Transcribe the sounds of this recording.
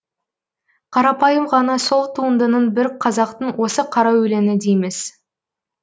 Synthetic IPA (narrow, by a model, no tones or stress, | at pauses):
qʰɑɾɑpɑjəmʁɑnɑso̞lˠt̪ʰuənd̪ənəɴbɪɾqʰɑzɑq̚t̪əɴwʔo̞səqʰɑɾɑwʏle̞nɪd̪ejme̞s